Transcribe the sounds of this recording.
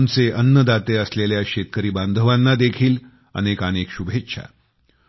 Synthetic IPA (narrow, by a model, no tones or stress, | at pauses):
nt͡seʔənːəd̪at̪eəsleljaɕet̪kəɾiːband̪ʱəʋanːad̪ekʰiːl | ə̰nekanekɕubʱetɕʰa̰